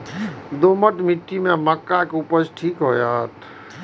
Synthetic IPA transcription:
d̪oməʈmiʈːimẽməkːakupəsʈʰiːkɦo̰ːjat̪

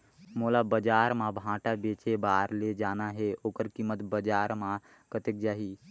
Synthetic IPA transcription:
molabəd͡ʒaːɾmãbʱãːʈabet͡ʃebaːɾled͡ʒanaɦeoːkəɾkimːət̪bəd͡ʒaːɾmã | kət̪ek̚d͡ʒaːɦi

